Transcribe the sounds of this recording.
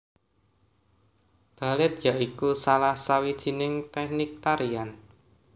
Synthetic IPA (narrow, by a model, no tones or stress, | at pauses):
b̥a̤lɪt̪̚jaʔikusalahsawid̥ʒ̥i̤nɪŋt̪ɛk̚nɪk̚t̪aɾian